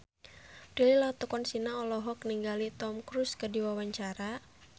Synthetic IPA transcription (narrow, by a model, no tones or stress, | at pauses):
d̥ililat̪ɔkɔnsinaɔlɔɦɔk̚niŋɡalit̪ɔmkɾuskədiwawaɲt͡ʃaɾa